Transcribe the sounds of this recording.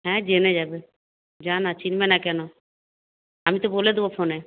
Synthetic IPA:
ɦɛ̃d͡ʒenɛd͡ʒaːbe | d͡ʒaːnat͡ʃinmɛnakɛnɔ | amit̪oboled̪obopʰoːnɛ

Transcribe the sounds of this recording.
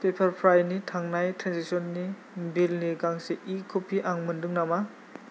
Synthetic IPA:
pepʰaɾpʰɾajnitʰaŋnajtʰɾansisɔnːi | bilniɡaŋseʔikʰupʰiʔaŋmɯndɯŋnama

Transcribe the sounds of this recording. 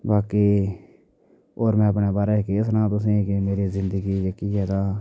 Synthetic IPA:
baːkeː | oːɾmɛ̃ːəpneːbaːɾɛːkeːsnãːt̪ʊs̬ẽːkemeːɾiːzɪ̃nd̪əɡiːd͡ʒeːkiɛːt̪ãː

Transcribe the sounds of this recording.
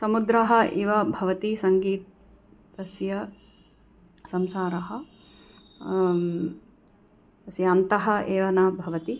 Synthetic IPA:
sɐmud̪ɾɐɦɐ̆ʔiʋɐbʱɐʋɐt̪isɐŋɡiːt̪̚ː | ɐsjɐ | sɐmsaːɾɐɦɐ̆ | ɐsjɐːnt̪ɐɦɐ̆ʔeːʋɐnɐbʱɐʋɐt̪i

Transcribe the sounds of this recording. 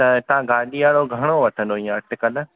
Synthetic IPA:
t̪ɐt̪ɐɦãɡaːɗiaːɽoɡʱɐɽ̃oʋɐʈʰə̃nd̪oĩjãɐʈʰɪkɐl

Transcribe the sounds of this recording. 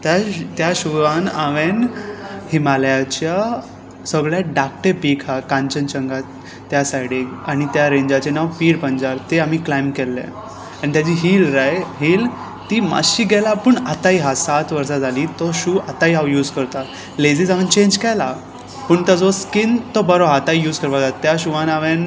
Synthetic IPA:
t̪jat̪jaɕuʋanaʋenhimaljat͡ɕja | səɡɭjaɖak̚ʈepikʰakãɲt͡ɕənt͡ɕəŋɡa | t̪jasajɽeaɽ̃it̪jaɾẽɲd͡ʑat͡ɕenaʋpiːɾpəɲd͡ʑaɾt̪eam̤iːklajmkɛlːḛ | aɽ̃it̪jat͡ɕiːɦiːlɾajɦiːl | t̪iːma̰ɕiːɡɛlapəːɳat̪aiɦasat̪ʋəɾsad͡zʱaliːt̪ɔɕuat̪aiɦaʋjuːd͡zkəɾt̪a | led͡zid͡zaʋint͡ɕẽnd͡ʑkɛla | pəːɳt̪ad͡zoskint̪ɔbəɾoat̪aijuːd͡zkəɾʋad͡zat̪jaɕuʋãnaʋen

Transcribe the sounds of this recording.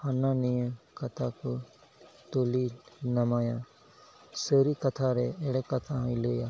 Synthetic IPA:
hanãnijə̃kɐt̪ʰaku | t̪oːlinɐmaːjã | səɾikɐt̪ʰaɾeeɽekɐt̪ʰaɦiloːjaː

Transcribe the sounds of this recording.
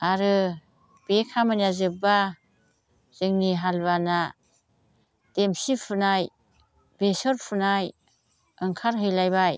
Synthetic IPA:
aɾɯ | b̥ekʰamanjazɯp̚ba | z̥ɯŋniɦalbana | d̥emsipʰɯnaj | besɔɾpʰunaj | ɯŋkʰaɾɦɯjlajbaj

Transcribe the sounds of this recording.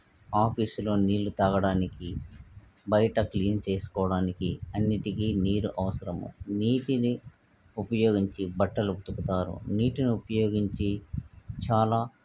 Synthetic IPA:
aːpʰiːslo̞ːniːlːut̪ɐːɡɐɽaːniki | bɐjɐʈɐkliːnt͡ʃe̞ːsu̥kɔːɐɽaːnikiɐnːiʈikiːniːɾuʔɐʋɐsɐɾɐmṵniːʈini | upɐjo̞ːɡiɲt͡ʃibɐʈːɐluut̪ukut̪aːɾṵniːʈiniupɐjo̞ːɡiɲt͡ʃit͡ʃaːlaː

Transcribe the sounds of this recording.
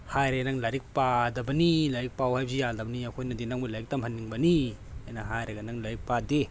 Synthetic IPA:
hajɾenaŋlaɾik̚padɐbɐnilaɾik̚pawhajbzijaldɐbɐniakʰojnɐdinaŋbulaɾik̚tamhɐnːiŋbɐniajnaɦajɾɐɡɐnaŋlaɾik̚pade

